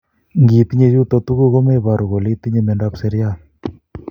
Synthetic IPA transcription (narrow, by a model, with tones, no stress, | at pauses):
ŋɡi˨t̪i˦ɲe˦˧ju˦t̪o˧t̪u˦ɣo˦ɣo˦me˦βa˨ɾu˨ɣo˨li˦t̪i˦ɲe˧me˨nda˦pse˦ɾja˦˨